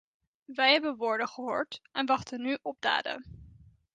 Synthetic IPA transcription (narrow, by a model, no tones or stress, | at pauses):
ʋɛjɦɛbənʋoːɹdəχəɦoːɹtʔɛnʋɑχtənːyʔɔb̚da̰ːdə̰